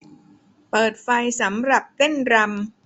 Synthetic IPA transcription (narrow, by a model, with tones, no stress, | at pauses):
pɤː˨˩t̪̚fa˧jsa˩˦mɾa˨˩p̚t̪e˥˩nɾa˧m